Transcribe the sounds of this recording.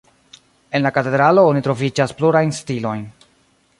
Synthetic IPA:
e̞nlakate̞dɾaloonitɾo̞vid͡ʒaspluɾajnstilo̞jn

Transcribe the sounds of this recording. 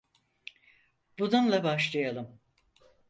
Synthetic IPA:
bununlˠabaʃlˠajalˠɯm

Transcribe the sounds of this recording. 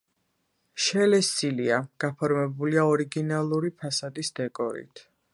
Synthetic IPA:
ʃɛlɛst̪sʼiliaɡ̥apʰɔɾmɛbuliaɔɾiɡinalˠuɾipʰasad̪isd̪̥ɛkʼɔɾḭt̪ʰ

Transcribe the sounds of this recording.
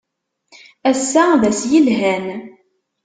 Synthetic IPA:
æsːæðæsjəlɦæn

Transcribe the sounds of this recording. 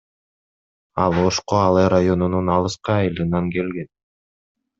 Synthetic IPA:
ɑlˠo̞ʃqoɑlˠeɾajo̞nununɑlˠɯsqɑːjɯlˠɯnɑŋke̞lɡe̞n

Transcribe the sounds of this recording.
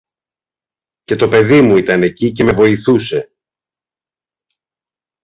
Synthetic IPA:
ce̞t̪o̞pe̞ðimuit̪ɐne̞cice̞me̞vo̞iθuse̞

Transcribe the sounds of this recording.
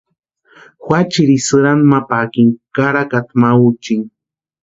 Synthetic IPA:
xwʷat͡ʃiɾisɨɾanmapakiŋkaɾakat̪maut͡ʃiŋ

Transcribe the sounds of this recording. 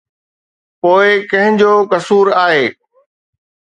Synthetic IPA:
poːɪkɐ̃ɦɪ̃d͡ʑoːkɐsuːɾaːɦeː

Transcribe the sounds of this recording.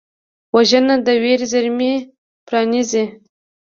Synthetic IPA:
waʒənad̪əweɾzaɾme | pɾɑnizi

